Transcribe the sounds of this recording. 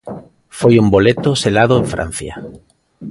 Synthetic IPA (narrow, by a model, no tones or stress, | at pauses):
fojumbolet̪oselað̞oeɱfɾa̰n̟θja̰